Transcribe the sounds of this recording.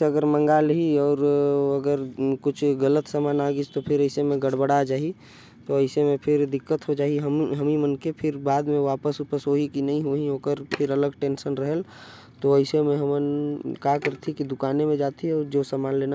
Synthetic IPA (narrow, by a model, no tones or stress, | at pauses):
eəɡəɾmə̃ŋɡalɦiɔːɾəɡəɾkʊt͡ʃʰɡələt̪səmanaɡid͡ʒt̪opʰɪɾəɪsemẽɡəɽbəɽad͡ʒaːɦi | t̪oəɪsemẽpʰɪɾd̪ɪkːət̪ɦod͡ʒaːɦiɦəmɦəmimənkepʰɪɾbaːd̪mẽʋaːpəsupəsɦoɦikinəɦĩɦoɦiɦoːkəɾpʰɪɾələɡʈẽːnsənɾəɦəl | t̪oəɪsemẽɦəmənkakəɾt̪ʰikid̪ʊkaːnemẽd͡ʒaːt̪ʰiɔːɾd͡ʒosəmaːnlena